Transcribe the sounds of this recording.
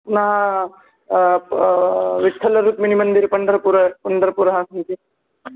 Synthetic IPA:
nɐɦɐ | ʋiʈʰːɐlɐɾuːt̪minimɐnd̪iɾpɐnd̪ɐɾɐpuɾɐpɐnd̪ɐɾɐpuɾɐɦɐsɐnt̪i

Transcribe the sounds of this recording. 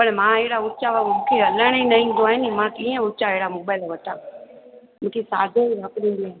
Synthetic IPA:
pəɽmãːeɦɪɽaʊt͡ʃaʋamũːkʰeɐləɽ̃inɐɦĩːn̆d̪oaːɦɪnɪmãkĩːə̃ʊt͡ʃaeɦɪɽamoːbaːɪlʋɐʈaː | mũːkʰesa̰ːd̪ʱeiɾaːkɾĩːnd̪ian

